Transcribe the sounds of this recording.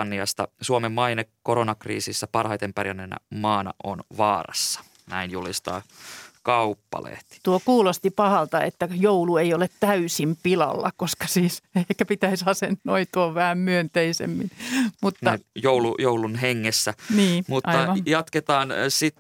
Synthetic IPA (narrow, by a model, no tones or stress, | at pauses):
nːiɑst̪ɑsuomemmɑinekoɾonɑkrḭːsisːæpɑrhɑit̪empærjænːenæ̰mɑːnɑ̰ʔo̰nʋɑːrɑ̰sːɑ̥ | næinjulist̪ɑ̰ːkɑupːɑ̰lḛht̪i̥t̪uokuːlost̪ipɑhɑlt̪ɑḛt̪ːæjoulueiolet̪t̪æysimpilɑ̰lːɑ̰koskɑ̥siːsehkːæpit̪æisɑsenːoit̪uoʋʋæhæmmyønt̪eisḛmːinmut̪ːɑjoulujoulunɦeŋːesːæniːmutʔɑːɑʋɑjɑt̪ket̪ɑːnsit̪